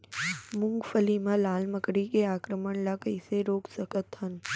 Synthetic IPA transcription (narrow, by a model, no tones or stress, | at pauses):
mʊ̃ŋɡfəlimãlaːlməkɽikeaːkɾəməɳlakəɪseɾoːksəkət̪ɦən